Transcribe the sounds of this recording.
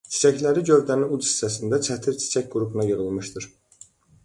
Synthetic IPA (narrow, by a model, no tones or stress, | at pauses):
t͡ʃʰi̥t͡ʃʰæclæɾiɟø̞vd̪æniud̪i̥sæsind̪æt͡ʃʰæt̪ʰiɾt͡ʃʰi̥t͡ʃʰæcɡ̥uɾupʰunɑjɯʁɯlˠmɯʃt̪ɯɾ̥